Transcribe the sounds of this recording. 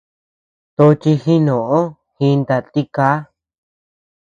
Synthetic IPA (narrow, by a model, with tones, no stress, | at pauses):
t̪o˧t͡ʃi˧xĩ˦nõ˨õ˦ | hĩ˧nd̪a˧t̪i˦ka˦